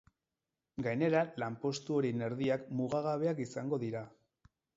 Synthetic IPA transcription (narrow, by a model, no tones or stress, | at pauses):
ɡajne̞ɾalampo̞st̪uo̞ɾine̞ɾðiakmuɣaɣaβ̞e̞akisaŋɡo̞ðiɾa